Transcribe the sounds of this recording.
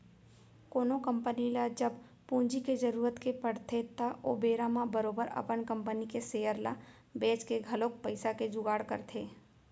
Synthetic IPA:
koːnokə̃mpənilad͡ʒəb | pũːnd͡ʒiked͡ʒəɾuːɾət̪kepəɽt̪ʰet̪aʔo̰ːbeːɾamãbəɾoːbəɾɐ̰pənkə̃mpənikeseːjəɾla̰ | beːt͡ʃkeɡʱɐloːk̚pəɪsaked͡ʒʊɡaːɽkə̰ɾt̪ʰeː

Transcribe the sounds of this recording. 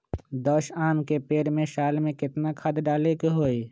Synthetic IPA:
d̪ɔːʃaːnkepeːɾmẽʃaːlmẽkɪt̪nakʰɐd̪ɖaːlekɦoːi

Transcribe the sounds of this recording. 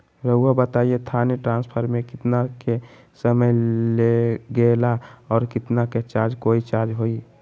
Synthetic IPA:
ɾəuabət̪aiet̪ʰaneʈɾãnspʰəɾmẽkɪt̪nake | səməjleɡelaɔːɾkɪt̪naket͡ʃad͡ʒkoit͡ʃad͡ʒɦoi

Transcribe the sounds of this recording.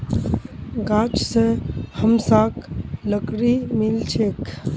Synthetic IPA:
ɡaːt͡ʃsehəmsaːkləkɾimɪlt͡ʃʰek

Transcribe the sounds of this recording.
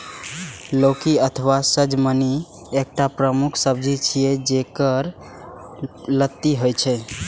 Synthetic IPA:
lokiət̪ʰəʋasəd͡ʒməni | ek̚ʈapɾəmukʰsəb̚d͡ʒʱit͡ʃʰijɛd͡ʒekəɾ | lət̪ːiɦojt͡ʃʰɛ

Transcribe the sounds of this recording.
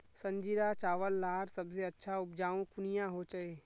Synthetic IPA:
sɐ̃ɲd͡ʒiɾat͡ʃaːʋəlːaːɾsɐbseɐtːʃʰaʊp̚d͡ʒaːũkʊnijãɦot͡ʃəeː

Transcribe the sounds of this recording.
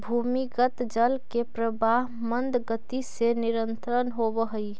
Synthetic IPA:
bʱumikət̪d͡ʒəlkepɾəbaɦ | mənd̪ɡət̪iseniɾənt̪ɾənɦobəɦəi

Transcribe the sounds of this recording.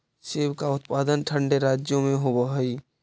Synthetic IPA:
seːwkaʊt̪̚paːd̪ənʈʰə̃ɳɖeɾaːd͡ʒjõmẽɦobəɦi

